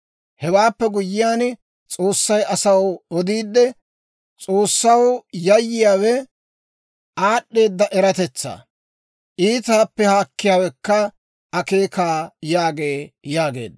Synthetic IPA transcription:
hɛwaːpːɛɡʊjːɪjaːn | t͡sʼo̞ːsːɐjʔɐsɐwɔd̪iːd̪ːɛ | t͡sʼo̞ːsːɐwjɐjːɪjaːwɛ | aːɗːe̞ːd̪ːɐʔɛɾɐt̪ɛt͡sːa̰ː | ʔiːt̪aːpːɛhaːkːɪjaːwɛkːɐ | ɐke̞ːkaːjaːɡe̞ːjaːɡe̞̰ːd̪

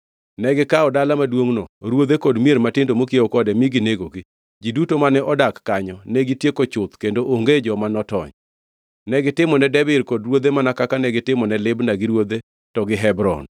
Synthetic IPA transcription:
nɛɡɪkaɔdalamadwoŋnɔɾwod̪ekodmjeɾmatɪndomokieokɔdɛmiɡineɡoɡi | d͡ʒidutomanɛʔɔdakːaɲɔnɛɡitjekot͡ʃʊt̪kendoʔoŋɡed͡ʒɔmanɔtɔ̰ɲ | nɛɡɪtɪmɔnɛdɛbɪɾkodɾwod̪emanakakanɛɡɪtɪmɔnɛlɪbnaɡɪɾwod̪e | tɔɡɪɦɛbɾɔ̰n

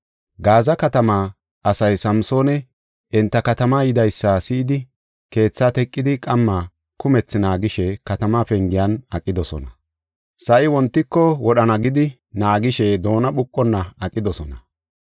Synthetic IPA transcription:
ɡaːzɐkɐt̪ɐmaː | ɐsɐjsɐmso̞ːnɛ | ɪnt̪ːɐkɐt̪ɐmajɪd̪ɐjsːɐsɪːd̪ɪ | ke̞ːt͡sːaːt̪ɛkʼːɪd̪ɪkʼɐmːa | kʊmɛt͡sːnaːɡɪʃɛkɐt̪ɐmaːpɛŋɡɪjɐnɐkʼːɪd̪ɔsɔ̰nɐ | sɐʔɪwɔnt̪ːɪkːɔwɔɗɐnɐɡɪd̪ɪ | naːɡɪʃɛd̪o̞ːnɐɓʊkʼːɔnːɐɐkʼːɪd̪ɔsɔnɐ

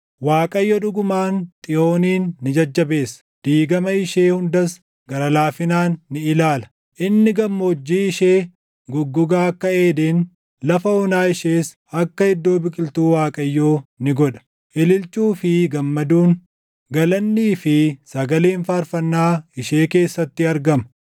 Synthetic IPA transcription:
waːkʼɐjːɔᶑʊɡʊmaːnt̪ʼɪjo̞ːniːnːɪd͡ʒɐd͡ʒːɐbe̞ːsːɐ̥ | d̪̥iːɡɐmɐɪʃeːhʊnd̪ɐs | ɡɐɾɐlaːfɪnaːnːɪɪlaːlɐ̥ | ʔɪnːɪɡɐmːod͡ʒːiːɪʃeː | ɡʊɡːʊɡaːɐkːɐeːd̪eːn | lɐfɐɔnaːɪʃeːs | ɐkːɐhɪd̪ːo̞ːbɪkʼɪlt̪uːwaːkʼɐjːoːnɪɡɔᶑɐ̥ | ʔɪlɪlt͡ʃʼuːfɪɡɐmːɐd̪uːn | ɡɐlɐnːiːfɪsɐɡɐleːnfaːɾfɐnːaːɪʃeːke̞ːsːɐt̪ːɪɐɾɡɐmɐ̥

